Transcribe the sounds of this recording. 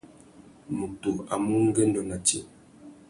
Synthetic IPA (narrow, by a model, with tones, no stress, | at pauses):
mu˨tu˨a̰˨mu˦ŋ˦ɡɛ˦n̩˦dɔ˨na˨te˨